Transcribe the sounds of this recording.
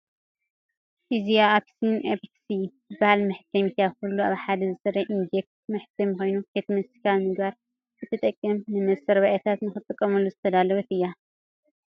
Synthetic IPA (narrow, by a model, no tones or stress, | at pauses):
ʔizijaapsinʔepsi | ɨbahalmɨħt̪ʰɐmit̪ʰjakulːuaβħad̪ɐzɨsɐɾɐʔind͡ʒek̚smɨħt̪ʰɐmxo̞jnufet̪mɐsi̥kʰalmɨɡbaɾ | kʰɨt̪ʰɨt̪ʼɐkʼːɐmnɨmɐsɐɾβaʔɛt̪ʰat̪nɨxɨt̪ʼːɨkʼːɐmɐlːuzɨt̪ʰɐd̪alɐβɐt̪ɨjːa